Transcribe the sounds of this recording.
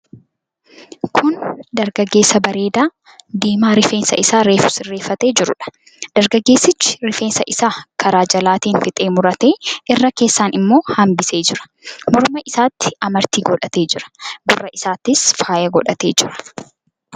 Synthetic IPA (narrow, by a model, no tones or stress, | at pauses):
kʰʊnd̪ɐɾɡɐɡːe̞ːsɐbɐɾe̞ːd̪aː | d̪eːmaːɾɪfe̞ːnsɐ̰ʔɪsaːɾeːfʊsɪrːe̞ːfːɐt̪e̞ːd͡ʒɪɾʊ̰ᶑɐ̥ | d̪̥ɐɾɡɐɡːe̞ːsːɪt͡ʃːɪ̥ɾɪfe̞ːnsɐʔɪsaːkʰɐɾaːd͡ʒɐlaːt̪iːnfɪt̪ʼe̞ːmʊɾɐt̪eːʔɪrːɐke̞ːsːaːnɪmːo̞ːhɐmbɪse̞ːd͡ʒɪɾɐ̥mɔɾʊmɐʔɪsaːt̪ːɪ̥ɐmɐɾt̪iːɡɔᶑɐt̪e̞ːd͡ʒɪɾɐ̥bʊrːɐɪsaːt̪ːɪsfaːjɐɡɔᶑɐt̪e̞ːd͡ʒɪɾɐ̥